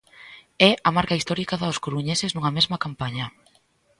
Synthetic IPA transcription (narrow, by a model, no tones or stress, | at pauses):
ɛɐmaɾkaist̪ɔɾikaðaoskoɾuɲeseznuŋɐmezmɐkampaɲɐ